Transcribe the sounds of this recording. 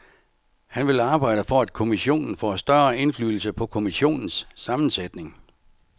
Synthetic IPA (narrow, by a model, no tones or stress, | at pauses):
hænʋe̝lɑ̈ːb̥ɑ̈ɪ̰ɾ̥əfɒæd̥̚kʰo̝miɕo̝̰ːnn̩fɒ̰sd̥ɶɐe̝nfly̰ːl̩səpʰɒ̽kʰo̝miɕo̝̰ːnn̩sːɑ̈mn̩sed̥ne̝ŋ